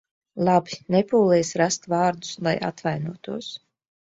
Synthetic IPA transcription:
lˠabinɛpuːlˠɛjsɾast̪vaːɾd̪u̥slˠajʔa̰t̪vajnuɔt̪uɔs

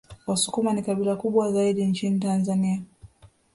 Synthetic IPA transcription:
wasukumanikaɓilakuɓwazaiɗiɲt͡ʃinitanzania

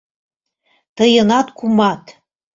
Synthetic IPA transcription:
t̪ɤjɤ̆nɑt̪kumɑt̪

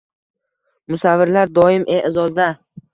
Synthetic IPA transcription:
mʊsavːɪɾlaɾd̪ɒɪmʔeʔɪzɒzd̪a

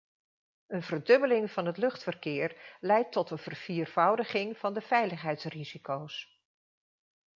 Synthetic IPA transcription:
ənvərdɵbəlɪŋv̥ɑnɦətlɵχtfərkɪːɹlɛjtːɔtənv̥ərv̥iːrv̥ʌwdəχɪŋv̥ɑndəv̥ɛjləχɦɛjtsrizikows

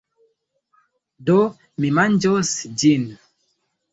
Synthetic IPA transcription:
do | mimand͡ʒosd͡ʒin

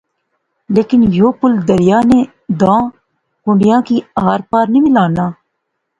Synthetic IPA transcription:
leːkɪnjoːpʊld̪əɾɪjaːneː | d̪ãː | kʊ̃ɳɖɪjãːkiːaːɾpaːɾnimɪlaːnaː

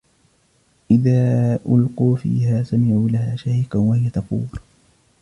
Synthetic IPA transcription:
ʔɪðaːʔʊ̰lquːfḭːhaːsamɪʕuːlahaːʃahjqawahɪjat̪ɑfṵːɾ

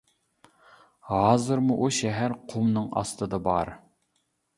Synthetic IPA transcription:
hɑːzɨɾmuʔuʃɛɦæɾqʰumnɨŋɑ̰st̪ɨd̪ɑbɑ̰ɾ

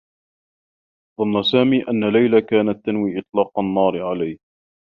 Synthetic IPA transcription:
ðˤɑnːasaːmiːʔanːalajlakaːnat̪ːanwiːʔɨt̪ˤlɑːqɑnːɑːɾɪʕalajh

